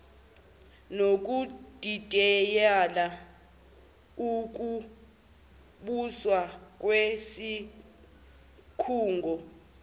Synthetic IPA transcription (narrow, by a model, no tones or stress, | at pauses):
nok̬ʼud̥ʱitʼɛjala | uk̬ʼu | ɓuswak̬ʼwesi | kʰuːŋɡʱɔ